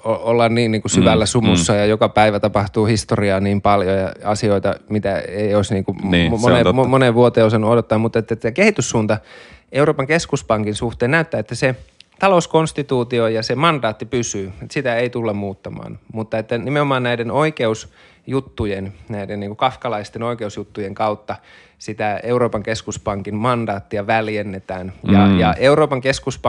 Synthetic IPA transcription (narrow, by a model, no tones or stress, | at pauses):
oolːɑnniːnniːŋkusyʋælːæsumusːɑjɑjokɑpæiʋæt̪ɑpɑht̪uːhist̪oriɑːniːmpɑljojɑɑsioit̪ɑ̰mit̪æeioisniːŋkuonemoneʋʋuot̪ːˑeːosɑnːuodot̪ːɑːmmut̪ːˑet̪ːæækehit̪ysːuːnt̪ɑeuroːpɑŋkeskuspɑŋkinsuht̪eːnnæyt̪ːæːet̪ːæset̪ɑlouskonst̪it̪uːt̪iojɑsemɑnd̥ɑːt̪ːipysyːet̪sit̪æeit̪ulːɑmmuːt̪ːɑmɑ̰ːnmut̪ːɑet̪ːænimeomɑːnnæidenoikeus | jut̪ːujennæidenniːŋkukɑfkɑlɑist̪enoikeusjut̪ːujeŋkɑut̪ːɑ | sit̪æeuɾoːpɑŋkeskuspɑŋkimmɑndɑːt̪ːiɑʋæljenːet̪æːnjɑ̰jɑeuɾoːpɑŋkeskuspɑ